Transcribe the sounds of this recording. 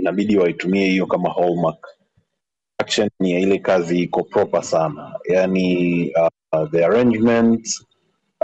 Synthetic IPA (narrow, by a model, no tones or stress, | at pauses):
inaɓiɗiwaitumiɛhijɔkamahɔlmak | akʃɔnjailɛkaziikɔpɾɔpasanajania | ðɛaɹɛ̃nd͡ʒmɛnt